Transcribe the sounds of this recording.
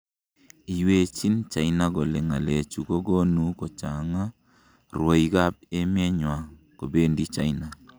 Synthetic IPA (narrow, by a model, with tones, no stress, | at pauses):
i˨we˨t͡ʃi˦nt͡ʃa˨jna˦ɡo˨lɛ˨ŋa˨le˨t͡ʃu˨ɡo˦ɡo˦nu˦ko˨t͡ʃa˨ŋa˦ | rwo˨iɡa˦p̚e˦mjɛ˦ɲwa˨ | ko˨be˦ndi˦t͡ʃa˦jna˨